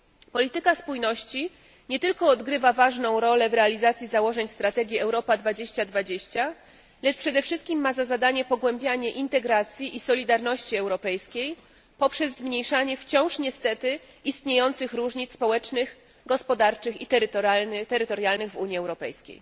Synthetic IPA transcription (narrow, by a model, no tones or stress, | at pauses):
pɔlʲit̪ɘkaspujnɔɕt͡ɕi | ɲɛt̪ɘlkɔːd̪ɡɾɘvavaʐnɔ̃w̃ɾɔlɛvɾɛalʲizat̪sʲjizawɔʐɛɲst̪ɾat̪ɛɡʲjiɛwɾɔpad̪vad͡ʑeɕt͡ɕad̪vad͡ʑeɕt͡ɕa | lɛt͡ʂpʂɛd̪ɛfʂɘst̪̚kʲimːazazad̪aɲɛpɔɡwɛmbʲjaɲɛʔint̪ɛɡɾat̪sʲjiʔisɔlʲid̪aɾnɔɕt͡ɕiɛwɾɔpɛjskʲej | pɔpʂɛzːmɲejʂaɲɛft͡ɕɔ̃w̃ʂɲɛst̪ɛt̪ɘ | ist̪ɲejɔnt̪sɘxɾuʐɲit̪spɔwɛt͡ʂnɘx | ɡɔspɔd̪aɾt͡ʂɘxit̪ɛt̪ɛɾɘt̪ɔɾjalnɘɣvuɲiɛwɾɔpɛ̰jskʲḛj